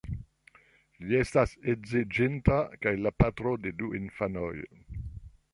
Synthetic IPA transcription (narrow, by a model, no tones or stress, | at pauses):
ʎiest̪asezid͡ʒent̪akajlapat̪ɾod̪ed̪uinfanoj